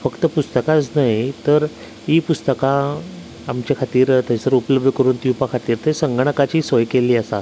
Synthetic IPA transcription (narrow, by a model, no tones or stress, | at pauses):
fəkt̪əpust̪əkat͡snaɦjt̪əɾ | iːpust̪əka | amt͡ɕjakʰat̪iːɾt̪əsəɾupələbd̪ʱəkəɾuːnt̪iupakʰat̪iːɾt̪ʰesəŋɡəɳ̃əkat͡ɕiːsəjkeliːəsat̪